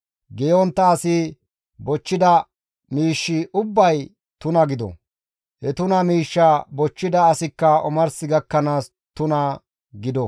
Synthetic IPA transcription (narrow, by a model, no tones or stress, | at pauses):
ɡɛjɔnt̪ːɐːsɪ | bɔt͡ʃːɪd̪ɐ | miːʃːɪʔʊbːɐj | t̪ʊnɐɡɪd̪ɔ̰ | hɛt̪ʊnɐmiːʃːɐbɔt͡ʃːɪd̪ɐːsɪkːɐɔmɐɾsɪɡɐkːɐnaːs | t̪ʊnɐ | ɡɪd̪ɔ